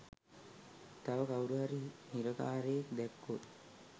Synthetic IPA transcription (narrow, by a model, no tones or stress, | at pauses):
t̪aʋəkawɾuɦaɾihiɾəkaːɾejekd̪ækːot̪